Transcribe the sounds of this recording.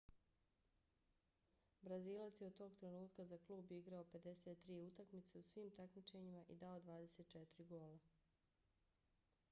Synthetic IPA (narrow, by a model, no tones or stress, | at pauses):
bɾaziːlˠat̪sjeut̪o̞ːɡt̪ɾe̞nuːt̪kazaklˠuːbiɡɾao̞pe̞d̪e̞se̞t̪ːɾiːut̪akmit̪seusʋiːmt̪akmit͡ʃe̞ɲimaʔḭd̪ao̞d̪ʋaːd̪e̞se̞t̪̚t͡ʃet̪ɾiɡo̞ːla